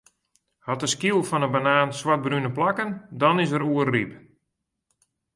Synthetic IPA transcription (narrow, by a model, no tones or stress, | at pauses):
hɔtəskilˠfɔnəbanaːnswat̚brynəplakəndɔnɪsəɾuərrip